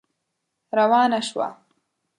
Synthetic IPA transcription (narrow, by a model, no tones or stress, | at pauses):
ɾawɑːnaʃwa̰